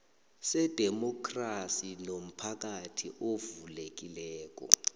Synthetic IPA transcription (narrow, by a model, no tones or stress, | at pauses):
sɛd̥ʱɛmɔkʰrasinom̩pʰak̬atʰḭʔovulek̬ilɛːk̬ʼɔ̰